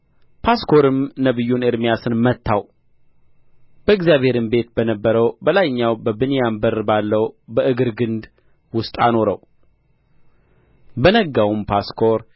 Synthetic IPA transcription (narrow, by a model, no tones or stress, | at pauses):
pʰaskʰoɾɨmnəβɨjːuneɾmijasɨnmət̪ʰːaw | b̥əɨɡzjaβhe̞ɾɨmbe̞t̪̚bənəbːəɾəwbəlajɲːawbəbɨnjambəɾbalːəwbəʔɨɡɨɾɡɨnd̪ | wʊst̪ʼa̰no̞ɾəw | bənəɡːawumpʰaskʰoɾ